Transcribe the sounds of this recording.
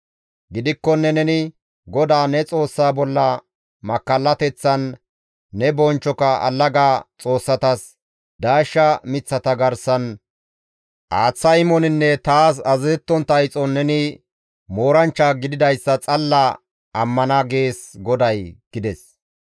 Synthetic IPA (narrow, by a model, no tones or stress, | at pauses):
ɡɪd̪ɪkːɔnːɛnɛnɪ | ɡɔd̪aːnɛt͡sʼo̞ːsːaːbɔlːɐ | mɐkːɐlːɐt̪ɛt͡sːɐnː | ɛbɔnt͡ʃːɔkɐɐ̰lːɐɡaːt͡sʼo̞ːsːɐt̪ɐs | d̪aːʃːɐmɪt͡sːɐt̪ɐɡɐɾsɐn | ʔaːt͡sːɐjmɔnɪnːɛt̪aːs̬ɐzɛt̪ːɔnt̪ɐjt͡sʼɔnɛnɪ | mo̞ːɾɐnt͡ʃːaɡɪd̪ɪd̪ɐjsːɐt͡sʼɐlːɐ | ɐmːɐnɐɡe̞ːsɡɔd̪ɐjɡ̥ɪd̪ɛs